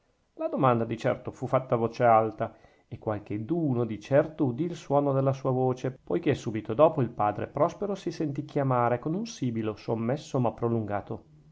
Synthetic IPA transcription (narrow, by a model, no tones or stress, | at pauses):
lad̪omand̪ad̪it͡ʃɛ̰rt̪ofufːat̪ːavoːt͡ʃealt̪a | ekːwalk̟ed̪uːnod̪it͡ʃɛrt̪oud̪iːlswɔːnod̪elːasuːavoːt͡ʃepojkesːuːbit̪od̪ɔːpoilpaːd̪ɾḛpɾɔspeɾosisent̪̬ikjamaːɾekonunsiːbilosomːesːomapːɾoluŋɡaːt̪o